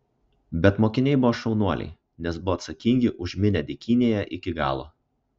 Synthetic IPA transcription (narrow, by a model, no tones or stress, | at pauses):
bʲɛt̪moːkʲɪnʲɛɪbʊʋoːʃʲɛʊnuɔlʲɛ̰ɪ | nʲɛsbʊʋɔːt̪sɐkʲiˑŋʲɡʲɪʔʊʒʲmʲɪnʲɛd̪ʲɪkʲinʲeːjɛʔɪkʲɪɡɑ̰ːlˠo̰ː